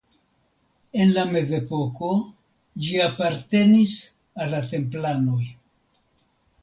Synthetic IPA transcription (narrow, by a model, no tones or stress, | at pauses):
e̞nlame̞ze̞po̞ko̞ | d͡ʒiapaɾte̞nis | alːate̞mplano̞j